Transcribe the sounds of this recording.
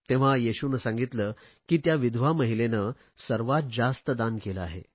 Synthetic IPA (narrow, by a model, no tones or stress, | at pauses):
t̪ẽʋ̤ajeɕunəsãŋɡit̪ləː | kiːt̪jaʋid̪ʱʋaməɦilenə | səɾʋat̪̚d͡zast̪əd̪ankeləaɦḛ